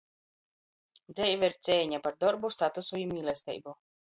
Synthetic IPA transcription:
d̪zʲɛjvaiɾt̪sʲɛːɲapaɾd̪ɔɾbust̪at̪usuimilʲˠɛsʲt̪ɛ̰jbu

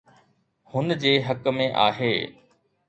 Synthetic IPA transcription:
hʊnd͡ʑeːɦɐkmẽʔa̰ːɦeː

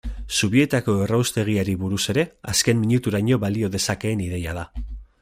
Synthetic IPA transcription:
suβie̞t̪ako̞e̞rawst̪e̞ɣ̞iaɾiβuɾuse̞ɾe̞aske̞mmːiɲut̪uɾaɲo̞βalio̞ðe̞sake̞ːniðe̞jað̞a

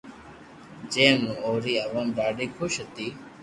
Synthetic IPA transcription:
d͡ʒẽːmũoːɾiːəʋəmɾaːɖiːkʰʊʃɦət̪iː

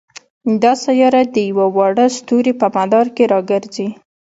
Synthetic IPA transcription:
d̪ɑsajɑɾad̪əjawawɑɽəst̪uɾepəmad̪ɑɾkeɾɑɡəɾzi

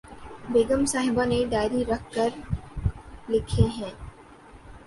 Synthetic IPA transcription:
beːɡəmsaːɦɪbaneɖaːɪɾiɾɐkʰkəɾ | lɪkʰeɦɛ̃ː

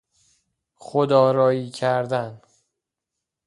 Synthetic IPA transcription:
χod̪ɒːɾɒːiːcʰæɾd̪æn

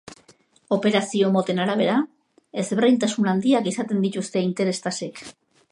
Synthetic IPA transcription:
o̞pe̞ɾasio̞mo̞t̪e̞naɾaβ̞e̞ɾa | e̞zβerejnt̪asunand̪iakisat̪e̞nd̪it̪ust̪e̞int̪e̞ɾe̞st̪ase̞k

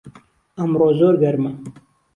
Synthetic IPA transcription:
ɐmɾoːzoːɾɡɐɾma

